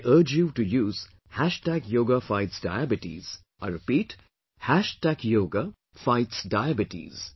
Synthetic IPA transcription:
ɪʔəɾd͡ʒjuʈujuːz̥ | hæʃʈækjoːɡafaɪʈsɖa̰ɪæbɪʈḭːz̥ | aɪɾɪpiːʈ | hæʃʈækjoːɡa | faɪʈsɖaɪæbɪʈḭz̥

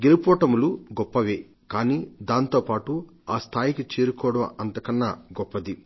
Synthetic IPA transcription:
ɡelupɔːʈɐmuluɡɔpːɐʋeː | kaːniːd̪aːnt̪o̞ːpaːʈu | aːst̪ʰaːjikit͡ʃeːɾukɔːɽɐmɐnt̪ɐkɐnːɐɡɔpːɐd̪i

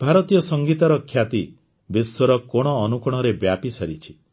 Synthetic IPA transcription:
b̥ʱaɾɔt̪ijɔsɔŋɡit̪aɾɔkʰːjat̪i | beswɔɾɔkɔɽ̃ɔːnukɔɽ̃ɔɾebjapisɔɾit͡ʃʰi̥

